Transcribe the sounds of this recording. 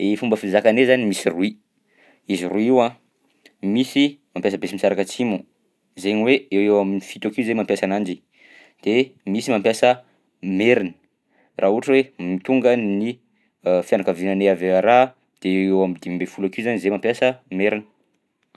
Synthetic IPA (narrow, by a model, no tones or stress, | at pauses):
efumbəfiizakanezanimisirui | iziruiwã | misimampjasəbesimisaɾakət͡simu | zeɲiweewewaminifit̪akiuzemampjasanand͡ʒi | d̪̥emisimampjasə | meɾini̥ | rʔauaʈ͡ʂwemit̪uŋɡənni | fjanakavinaneaveaɾa | d̪̥eewewamid̪imbefulakizanizemampjasəmeɾinə̥